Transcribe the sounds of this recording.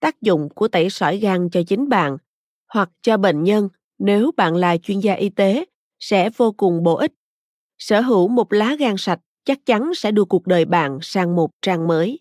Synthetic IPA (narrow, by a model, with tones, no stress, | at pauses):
t̪aː˦˥k̚zʊ̰˧˨ŋ͡mku˧˩ət̪ə˧˩jsɔ̰˧˩jɣaː˧˩ŋt͡ɕɔ˧t͡ɕï˨˦ŋ̟ɓa̰ː˧˨n | hwa˨˩k̚t͡ɕɔ˧ɓḛ˧˨nɲə˧n | ne˨˦wɓa̰ː˧˨nla̰ː˨˩t͡ɕwi˧ənzaː˧ʔi˧t̪e˨˦ | sɛ̰˧˥vo˧kʊ˨˩ŋ͡mɓo̰˧˨ʔï˦˥t̚ | səː˧˩ɦɨ˧˩wmo˨˩t̚laː˨˦ɣaː˧˩ŋsa˨˩t̚t͡ɕa˦˥k̚t͡ɕa˨˦nsɛ̰˧˥ɗɨ˧˩əku˨˩ək̚ɗəː˨˩jɓa̰ː˧˨nsaː˧ŋmo˨˩t̚t͡ɕaː˧ŋməː˨˦j